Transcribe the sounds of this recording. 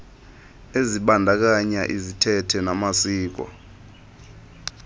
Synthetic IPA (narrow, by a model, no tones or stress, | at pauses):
eziɓandʱak̬aɲaʔizitʰɛtʰɛnamasiːk̬wɔ̰